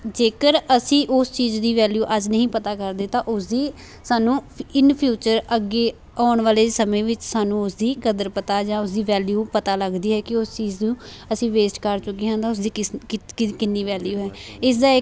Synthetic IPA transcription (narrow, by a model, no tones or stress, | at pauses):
d͡ʒeːkəɾəsĩːʔʊst͡ʃiːzd̪iːʋɛːljuːʔəd͡ʒnəɦĩːpət̪aːkəɾd̪eːt̪ãːʔʊsd̪iː | saːnũː | ɪnpʰjuːt͡ʃəɾəɡeː | aːɳʋaːleːsəmẽːʋɪt͡ʃsaːnũːʊsd̪iːkəd̪əɾpət̪aːd͡ʒãːʊsd̪iːʋɛːljuːpət̪aːləɡd̪iːɦɛːkɪʊst͡ʃiːzd̪ũː | əsĩːʋeːsʈkəɾt͡ʃʊkːiːɦãːnd̪aːʊs̬d̪iːkɪɪɪkɪnːiːʋɛːljuːɦɛːɪsd̪aːɪ